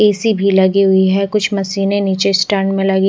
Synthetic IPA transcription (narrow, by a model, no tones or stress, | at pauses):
eːsibʱilɐɡiɦʊiɦɛːkʊt͡ʃʰmɐsiːneniːt͡ʃesʈɛːɳɖmẽlɐɡi